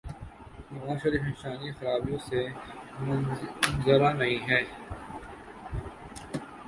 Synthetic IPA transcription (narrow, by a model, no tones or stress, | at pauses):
nɐʋaːʃɐɾiːfɪ̃nsaːnixɐɾaːbijõsemnzəɾanɐɦĩɦɛː